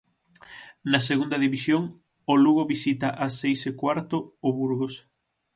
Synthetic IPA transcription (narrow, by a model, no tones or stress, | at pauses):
nɐs̬eɣund̪ɐðiβisjoŋ | ʊluɣoβisit̪ɐʔɐsːejsekwaɾt̪oːβuɾɣos